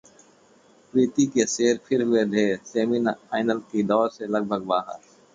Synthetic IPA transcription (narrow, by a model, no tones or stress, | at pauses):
pɾiːt̪ikeseːɾpʰɪɾɦʊed̪ʱeːseːmɪnaːɪnəlkid̪ɔːɾselɐɡ̚bʱəɡ̚baːɦə̰ɾ